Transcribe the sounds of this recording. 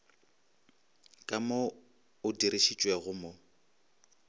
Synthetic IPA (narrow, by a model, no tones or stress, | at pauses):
kʼamo | ʊdiɾiʃit͡ʃʼwɛɣʊmo